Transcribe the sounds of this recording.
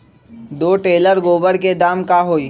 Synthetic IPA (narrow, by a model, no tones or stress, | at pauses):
d̪oːʈeːləɾɡoːbəɽked̪aːmkaɦoːiː